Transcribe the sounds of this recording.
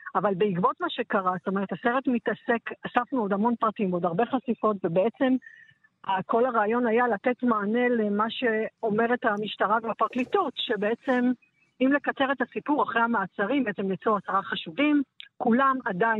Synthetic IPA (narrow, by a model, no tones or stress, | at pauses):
avalbeikbo̞tmaʃe̞kaʁast̪o̞me̞ʁethaseʁe̞tmitase̞kasafnuo̞damo̞npʁatimo̞daʁbe̞χasifo̞tvebeet͡se̞m | ako̞laʁaːjo̞najalate̞tmaːne̞lemaʃe̞o̞me̞ʁethamiʃtaʁaveapaʁklitotʃe̞beet͡se̞m | imle̞kat͡se̞ʁetasipuʁaχʁehamaːt͡saʁimbeet͡se̞mlit͡suasaʁaχaʃuvimkulamada